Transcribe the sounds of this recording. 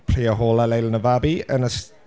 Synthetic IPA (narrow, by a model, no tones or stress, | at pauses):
pʰr̥iːəɦoːləlejlənəvabiə̰nəs